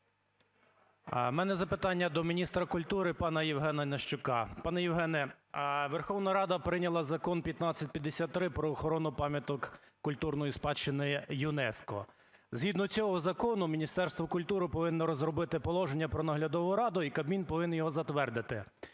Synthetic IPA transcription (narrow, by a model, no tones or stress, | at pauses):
mɛnɛzɐpɪt̪ɑnʲːɐd̪ɔmʲinʲist̪ɾɐkʊlʲt̪uɾɪpɑnɐjiwɦɛnɐnɐʃt͡ʃʊkɑpɑnɛjiwɦɛnɛ | ʋerxɔwnɐɾɑd̪ɐpɾɪnʲɐlˠɐzɐkɔnpʲjɐt̪nɑt͡sʲːɐtʲpʲjɐd̪ːesʲat̪ːɾɪpɾɔːxɔɾɔnʊpɑmʲjɐt̪ɔkkːʊlʲt̪urnɔjispɑt͡ʃːɪnɪjʊnɛskɔ̰ | zɦid̪nɔt͡sʲɔɦɔzɐkɔnʊmʲinʲist̪ɛrst̪ʋɔkʊlʲt̪uɾɪpɔʋɪnːɔɾɔzɾɔbɪt̪ɪpɔlˠɔʒenʲːɐpɾɔnɐɦlʲɐd̪ɔʋʊɾɑd̪ʊikɐbmʲinpɔʋɪnːjɔɦɔzɐt̪ʋɛrd̪ɪt̪ɪ